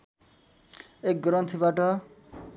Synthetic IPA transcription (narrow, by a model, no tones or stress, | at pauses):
ek̚ɡɾʌnt̪ʰibaʈʌ